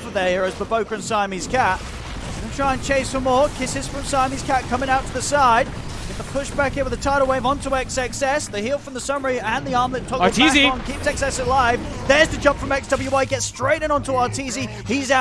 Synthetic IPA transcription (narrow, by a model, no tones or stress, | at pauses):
fəðəɪɹɨzbəboʊkɹɨ̃nsaɪmiz̥kʰæt̚ | ðɨ̃tʰɹ̥aɪɨ̃nt͡ʃʰeɪsfəmɔɹkʰɪsɨz̥fɹʌ̃msaɪmiz̥kʰæt̚kʰʌ̃mɪ̃ŋaʊtfəðɨsaɪd | ɨfðəpʰʊʃb̥ækɪ̃t̚wɨðɨtʰaɪɾl̩ˠweɪvə̃ntʰəɛksɛksɛsðɨhilˠfɹʌ̃mðəsʌmə˞iɨ̃nðiɑɹmðɨtʰɔizĩnkʰipsɛksɛsəlaɪvðə˞z̥tʰɨd͡ʒʌ̃mpfɹʌ̃mɛksd̥ʌbl̩ˠjʉwaɪɡ̥ɛtstɹ̥eɪɾɨ̃nə̃ntʰəɑtʰizi | iza